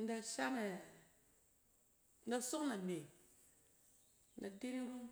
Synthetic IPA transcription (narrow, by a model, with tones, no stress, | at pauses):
n̩˦da˨˧ʃa˦ne˨ | n̩˦da˨so˦kna˨me˨˦ | a˨di˦ɾi˦ɾu˦